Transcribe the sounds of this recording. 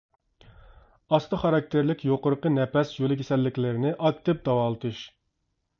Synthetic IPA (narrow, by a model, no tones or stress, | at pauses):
ɑst̪ʰɨχɑɾɑk̚t̪ʰeɾlɪkʲjoqʊɾəqənɛpɛsjolˠɪkʲʰesɛlːɪkʲlɪɾɪnɪʔɑkt̪ɪp̚d̪ɑwɑːlˠɨt̪ʰɨʃ